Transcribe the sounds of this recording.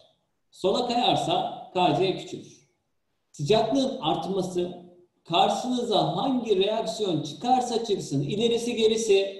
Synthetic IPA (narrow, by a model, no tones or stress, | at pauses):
so̞nakajaɾsakʰaɾd͡ʒ̪ejɛcʰy̥t͡ʃʰy̰ɾ | sɯd͡ʒaklˠɯnaɾt̪masɯ | kʰaɾʃɯnɯzaɦaɲɟiɾejaksijo̞nt͡ʃʰɯ̥kʰaɾsat͡ʃʰɯksɯnilʲe̞ɾisiɟe̞ɾisi